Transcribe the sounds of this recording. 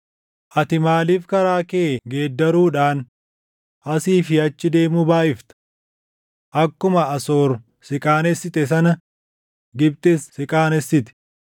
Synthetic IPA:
ʔɐt̪ɪmaːliːfkɐɾaːkeːɡeːd̪ːɐɾuːᶑaːn | ʔɐsiːfɪɐt͡ʃːɪd̪e̞ːmuːbaːʔɪft̪ɐ̥ | ʔɐkːʊmɐɐso̞ːɾ | sɪkʼaːnɛsːɪt̪ɛs̬ɐnɐ | ɡɪb̚t̪essɪkʼaːnɛsːɪt̪ɛ̥

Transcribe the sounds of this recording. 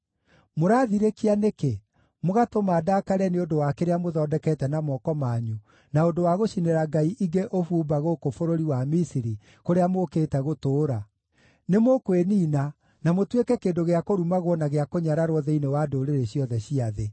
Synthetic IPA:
moɾaːðiɾekianeke | moɣatomaːdakaɾɛneondowakeɾeamoðɔːdɛkɛtɛnamɔːkɔmaɲu | naondowaɣoʃineɾaɡaiʔiɡeʔofuːbaɣokofoɾoɾiwamisiɾi | koɾeamokeːtɛɣotoːɾa | nemokweniːna | namotwekɛkeːndoɣeakoɾumaɣwɔnaɣeakoɲaɾaɾowɔðɛinewadoɾeɾeɕiɔðɛɕiaðe

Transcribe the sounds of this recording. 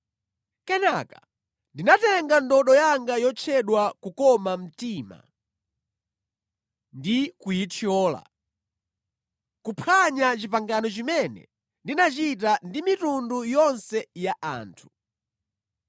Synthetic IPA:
kɛnakḁ | ndinatɛŋɡandɔɗɔjaŋɡajɔt͡ʃʰɛɗwakukɔmam̩tiːma̰ | ndikujitʰiɔːla̰ | kupʰaɲat͡ʃipaŋɡanɔt͡ʃimɛnɛ̰ | ndinat͡ʃit̬andimitundujɔnsɛjaʔa̰ːntʰu̥

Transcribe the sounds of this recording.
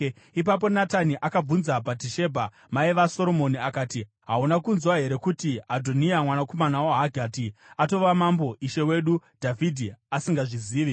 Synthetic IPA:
ip̬ap̬o̞nataniʔakab͡vunzabʱatiʃe̞bʱa | maiʋaso̞ɾo̞mo̞niakaːti | ɦaunakunzwaɦe̞ɾe̞kutiadʱoniamwanako̞manawaɦaɡʱaːtiato̞ʋamambo̞ʔiʃe̞we̞ɗud̥ʱavʱidʱiasiŋɡaʐiziːʋi

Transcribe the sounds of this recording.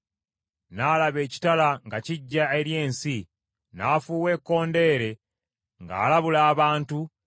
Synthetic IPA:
naːlaβe̞ːci̥talaŋɡaciɟːae̞ɾje̞ːnsi | naːfuːwe̞ːkːo̞ːnde̞ːɾe̞ | ŋɡa̰ːlaβulaːβaːntu

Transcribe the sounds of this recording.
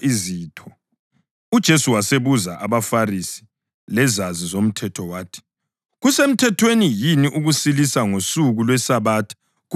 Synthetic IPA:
ʔiziːtʰɔ | ud̥ʒ̥ʱesuwaseβuzaʔaβafarisi̥ | lɛzazizom̩tʰɛtʰɔwaːtʰi̥ | ɣusem̩tʰɛtʰwenijiniʔuɣusilisaŋosuɣulwɛsaβaːtʰḁ | ɣ

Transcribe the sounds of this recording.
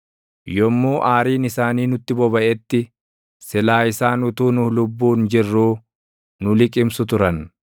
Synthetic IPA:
jɔmːoːʔaːɾiːnɪsaːniːnʊt̪ːɪbɔbɐʔɛt̪ːɪ | sɪlaːɪsaːnʊt̪uːnʊlʊbːuːnd͡ʒɪrːuː | nʊlɪkʼɪmsʊt̪ʊɾɐn

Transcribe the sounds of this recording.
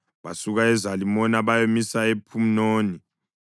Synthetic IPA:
ɓa̰suk̬aɛzalimɔnaɓajomisaepʰum̩noːni

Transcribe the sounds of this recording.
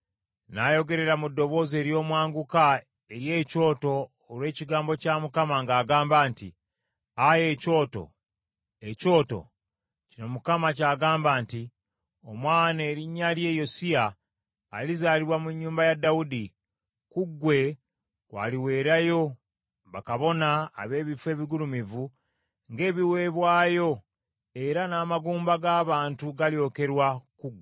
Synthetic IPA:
najo̞ɡe̞ɾe̞ɾamudːo̞βo̞ːze̞ːɾjo̞ːmwaːŋɡuka | e̞ɾje̞ːco̞ːto̞ː | lwe̞ːciɡaːmbo̞camukamaŋɡaːɡaːmbaːnti | aje̞co̞ːto̞̰ | eco̞ːto̞̰ | cino̞mukamacaːɡaːmbaːnti | omwaːnaɾiɲːalje̞jo̞siaː | lizaːliɾwamuɲːuːmbajadaudi | kuɡːwe̞ | kwa̰ːliwe̞ːɾajo̞ | βakaβo̞na̰ːβe̞ːβifwe̞ːβiɡulumivu | ŋɡe̞ːβiwe̞ːβwaːjo̞ | e̞ɾanaːmaɡuːmbaɡaːβaːntuɡaljo̞ke̞ɾwakuɡwe

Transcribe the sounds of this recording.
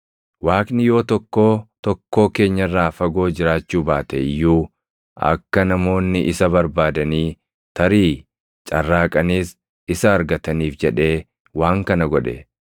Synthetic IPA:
waːknɪjo̞ːt̪ɔkːo̞ːt̪ɔkːo̞ːke̞ːɲːɐrːaːfɐɡo̞ːd͡ʒɪɾaːt͡ʃːuːbaːt̪ɛjːuː | ɐ̰kːɐnɐmo̞ːnːɪʔɪsɐbɐɾbaːd̪ɐniː | t̪ɐɾiː | t͡ʃʼɐrːaːkʼɐniːs | ɪsɐːɾɡɐt̪ɐniːfd͡ʒɛᶑe̞ː | waːŋkɐnɐɡɔᶑɛ̰

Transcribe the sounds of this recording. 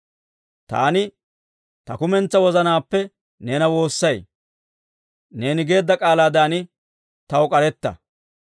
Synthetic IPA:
t̪a̰ːnɪ | t̪ɐkʊmɛnt͡sːɐwɔzɐnaːpːɛ | neːnɐwo̞ːsːɐj | ne̞ːnɪɡe̞ːd̪ːɐkʼaːlaːd̪aːnɪ | t̪ɐʊkʼɐɾɛt̪ːɐ̰

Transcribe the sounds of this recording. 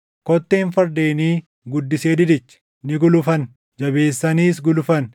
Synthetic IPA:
kɔt̪ːeːnfɐɾd̪e̞ːniː | ɡʊd̪ːɪseːd̪ɪd̪ɪt͡ʃː | nɪɡʊlʊfɐn | d͡ʒɐbe̞ːsːɐniːsɡʊlʊfɐn

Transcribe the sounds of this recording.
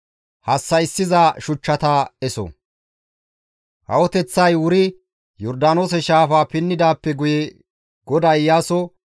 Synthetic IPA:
hɐsːɐɪsːɪzaːʃʊt͡ʃːɐt̪aːɛsɔ̰ | hɐ̰wɔt̪ɛt͡sːɐjwʊɾɪ | jɔɾd̪aːno̞ːs̬ɛʃaːfaːpɪnːɪd̪aːpːɛɡʊjɛ | ɡ̥ɔd̪ɐjjaːsɔ

